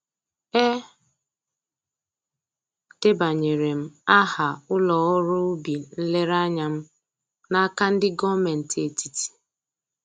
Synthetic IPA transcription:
e˦ | te˦ba˨ɲe˨ɾe˨m̩˦a˦ha˨ʊ˦lɔ˨ɔ˦ɾʊ˦bi˨n̩˦le˦ɾa˦ɲa˨m̩˦ | na˦ka˦n̩˦dɪ˦ɡɔ˦me˨n̩˨te˨ti˨ti̥˨

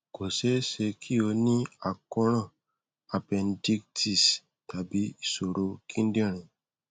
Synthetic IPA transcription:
ko˨se˦se˧kʰi˦o˧nĩ˦a˨kɔ˦ɾɔ̃˦˨ | a˨pɛ̃˨ndi˦k̚ti˦˨s | ta˨bi˦˨so˨ɾo˨˦kʰĩ˦ndĩ˦ɾ̃ĩ˨

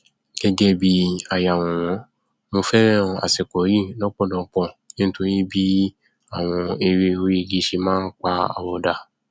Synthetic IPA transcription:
ɡ̥ɛ˧d͡ʒɛ˦bi˧a˨ja˨w̃ɔ̃˨w̃ɔ̃˨˦ | mo˧fɛ˦ɾɛ̃˦˧a̰˨sɛ˨kɔ˨˦ɾi˦˨nɔ˦k͡pɔ̃˦˨dɔ̃˧˨˦k͡pɔ̃˧˨nẽ˦ñ̩˦to˨˧ɾĩ˦bi˦ | a˦˨w̃ɔ̃˧e˧ɾe˧o˧ɾi˦˨ɡi˨˦ʃe˧mãː˦n̩˦k͡pa˧a̰˧˨wɔ˧da˧˨

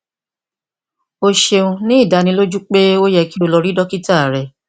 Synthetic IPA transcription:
o˧ʃe˧ũ˧nĩ˦i˦˨da˨˦nĩ˧˦lo˦d͡ʒu˦k͡pe˦o˦jɛ˧ki˦o˧lɔ˧ɾi˦dɔ˦ki˦ta˦˨ɾɛ˨

